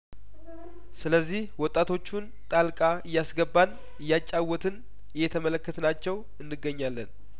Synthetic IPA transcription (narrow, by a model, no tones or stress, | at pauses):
sɨləzːihwɔt̪ʼːat̪ʰo̞t͡ʃːun | t̪ʼalkʼaɨjːasɡəbːan | ɨjːat͡ʃʼːawːɔt̪ʰɨn | ɨjɛt̪ʰəmələkːət̪ʰnat͡ʃːɛw | ɨnːɨɡːəɲːalːən